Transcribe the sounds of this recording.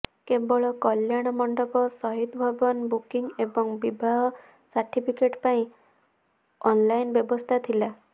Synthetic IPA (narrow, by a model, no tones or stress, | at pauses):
kebɔɭɔkɔljaɽ̃ɔmɔɳɖɔpɔsɔɦit̪bʱɔbɔnbukiŋebɔŋbibʱaɦɔ | saɾʈipʰikeʈpaĩ | ɔnlajnbjɔbɔst̪ʰat̪ʰila